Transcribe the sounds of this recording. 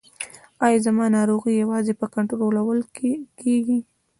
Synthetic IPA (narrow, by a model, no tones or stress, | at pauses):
ɑjɑzamɑnɑɾoɣijawɑzepəkaɳʈɾoɾolawəlkeɡi